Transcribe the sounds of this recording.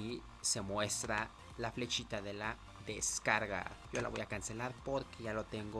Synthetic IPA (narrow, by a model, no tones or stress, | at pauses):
i | semwest̪ɾa | laflet͡ʃit̪aðela | ðeskaɾɣa̰ʝola̰βojakanselaɾpoɾkeʝalot̪eŋɡo